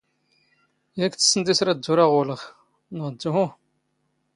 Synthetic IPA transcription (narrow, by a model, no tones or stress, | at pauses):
jækːt͡sːsːənd̪isɾæd̪ːuɾaʁʊləχ | nʁd̪ːʊɦʊ